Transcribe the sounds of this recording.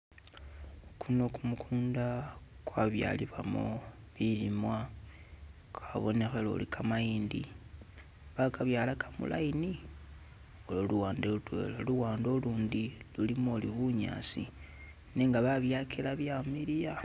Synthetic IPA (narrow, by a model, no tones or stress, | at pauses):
kʰuno̞kumukʰuːnda | kwaβja̰ːliβwa̰mo̰ | βilimwa | kaβo̞ne̞xelo̞̰likʰamajiːndḭ | βakaβjaːlakʰamṵlʔa̰jini | ololuwaːndelutwe̞̰laluwaːndo̞luːndilulimoːliβuɲa̰ːsḭ | ne̞ŋɡaβaβjaːkʰilaβjamiɾija